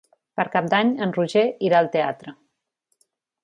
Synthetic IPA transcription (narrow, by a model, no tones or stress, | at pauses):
pəɾkap̚d̪aɲənruʒeiɾaəlˠt̪ea̰t̪ɾə